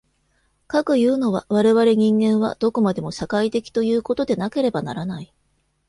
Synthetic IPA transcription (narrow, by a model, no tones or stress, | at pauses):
kakɯ̟jɯ̟ːno̞β̞aβaɾe̞βaɾe̞ɲ̟ĩŋɡẽ̞ɰ̃βa̰d̪̥o̞ko̞mad̪e̞mo̞ɕakait̪e̞kʲi̥t̪o̞jɯ̟ːko̞t̪o̞d̪e̞nake̞ɾe̞bana̰ɾanai